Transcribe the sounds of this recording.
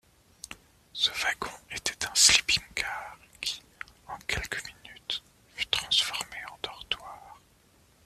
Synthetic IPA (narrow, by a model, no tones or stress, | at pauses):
səvaɡɔ̃et̪ɛ̥t̪ɛ̃sipimkaːʁkʰʲi̥ | ɑ̃kʲɛlkəminyt̪ | fy̥t̪χɑ̃sfɔʁmeɑ̃d̪̥ɔʁt̪waːʁ